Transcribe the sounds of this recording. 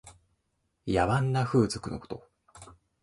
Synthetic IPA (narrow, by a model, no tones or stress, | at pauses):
jaβãnːaɸɯ̟ːzo̥kɯ̟no̞ko̥t̪o̞̰